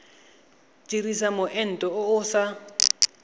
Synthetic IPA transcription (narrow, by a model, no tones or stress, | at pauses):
t͡ʃʼirisamʊʔɛn̩tʼɔʊʊsa